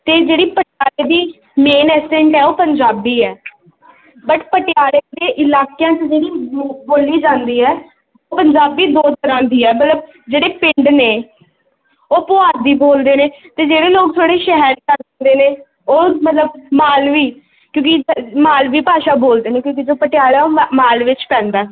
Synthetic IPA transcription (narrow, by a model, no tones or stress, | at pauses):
t̪eːd͡ʒeːɽiːpəʈjaːɾeːd̪iː | meːnɛːsɛ̃ɳʈɛːoːpəɲd͡ʒaːbiːɛː | bəʈpəʈɪjaːɽeːd̪eːʔɪlaːkejãːt͡ʃd͡ʒeːɽiːboːliːd͡ʒãːnd̪iːɛː | oːpəɲd͡ʒaːbiːd̪oːt̪əɾãːd̪iːɛːmət̪ləb | d͡ʒeːɽeːpɪ̃ɳɖneː | oːpʊaːd̪iːboːld̪eːneːt̪eːd͡ʒeːɽeːloːɡ̚t̪ʰoːɽeːʃɛɦəɾkəɾ̃nd̪eːneː | oːmət̪ləb̚maːlʋiː | kjõːkɪmaːlʋiːpaːʃaːboːld̪eːneːkjõːkid͡ʒoːpəʈɪjaːlaːoːmaːlʋɪt͡ʃpɛ̃ːnd̪aː